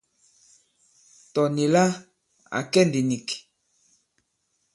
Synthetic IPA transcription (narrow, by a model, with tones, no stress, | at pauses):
tɔ˨ni˨la˦ | a̰˨kɛ˦ndi˨ni˨k